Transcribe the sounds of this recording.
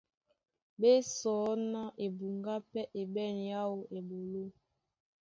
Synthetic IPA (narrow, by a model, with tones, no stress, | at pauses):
ɓe˦sɔː˨˦nɔ˦ʔe˨bu˨ŋɡa˦pɛ˦ʔe˨bɛ˦˨nja˦wo˨ʔe˨bo˨lo˦